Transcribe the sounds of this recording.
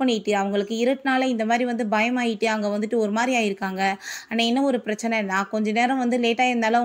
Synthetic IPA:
pɐɳːɪʈːɯɐʋɐŋɡɐɭɯkːɯɪɾɯʈːnaːlɐɪnd̪ɐmaːd̪ɾiʋɐnd̪ɯbɐjɐmaːjɪʈːɯɐŋɡɐʋɐnd̪ɯʈːɯɔɾɯmaːd̪ɾijaːjɪɾɯkːaːŋɡɐɐnaːɛnːɐɔɾɯpɪɾɐt͡ʃːɐnɛnãːkɔɲd͡ʒɐneːɾɐ̃ʋɐnd̪ɯleːʈːaːjɪɾɯnd̪aːlɐ

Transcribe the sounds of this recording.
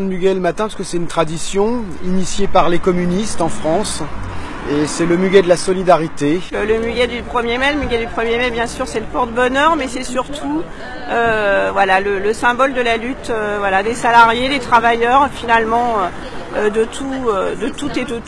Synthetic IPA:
d̪myɡʲɛləmat̪ɛ̃paskəsɛt̪ynt̪χad̪isjɔ̃ | inisjepaʁlekɔmynist̪ɑ̃fχɑ̃s | esɛləmyɡʲɛd̪əlasɔlid̪aʁit̪elələmyɡʲɛd̪ypχəmjemɛləmyɡʲɛd̪ypχəmjemɛbjɛ̃syʁsɛləpɔʁd̪əbɔnœʁmɛsɛsyʁt̪ʰu | øvwalalələsɛ̃bɔld̪əlalyt̪øvwalad̪esalaʁjed̪et̪χavajœʁfinalmɑ̃ø | ød̪ət̪ʰuød̪ət̪ut̪ed̪ə

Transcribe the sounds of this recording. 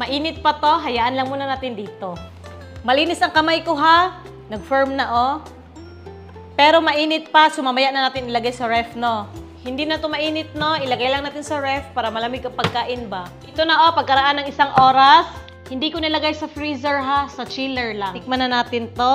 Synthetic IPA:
mɐʔiːnɪt̪̚pɐt̪o̞ɦɐjaʔɐnlɐŋmuːnɐnaːt̪ɪnd̪iːt̪o̞ | mɐliːnɪsʔɐŋkɐmajkoɦa | nɐɡ̚fɛɹmnɐʔo | pɛːɾo̞mɐʔiːnɪt̪̚pɐsʊmamɐjaʔnɐnaːt̪ɪnʔɪlɐɡajsɐɹɛfno | hɪnd̪inɐt̪omɐʔiːnɪt̪̚no̞ʔɪlɐɡajlɐŋaːt̪ɪnsɐɹɛfpːaːɾɐmɐlɐmɪɡɐŋpɐɡ̚kaːʔɪnbaʔɪt̪onɐʔopɐɡ̚kɐɾɐʔanːɐŋʔɪsaŋʔo̞ːɾɐs | hɪnd̪ikonɐlɐɡajsɐfɾiːsɛɹɦasɐt͡ʃilɛɹlaŋɪk̚mɐnɐnaːt̪ɪnt̪o

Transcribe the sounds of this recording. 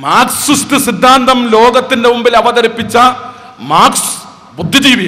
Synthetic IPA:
maːkssustɨsid̪ʱːaːnd̪ɐmlo̞ːɡɐt̪ːindemumbilɐʋɐðɐɾipːit͡ɕːɐ | maːks | bud̪ʱːid͡ʑiːʋijɐ

